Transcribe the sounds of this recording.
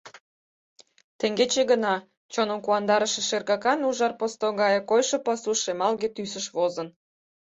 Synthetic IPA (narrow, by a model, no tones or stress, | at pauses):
t̪ĕŋɡet͡ɕeɣənɑ | t͡ɕonəmkuɑnd̪ɑɾəʃĕʃerɣɑkɑnuʒɑrpost̪oɣɑjekojʃŏpɑsuʃemɑlɣet̪ysəʃβozə̆n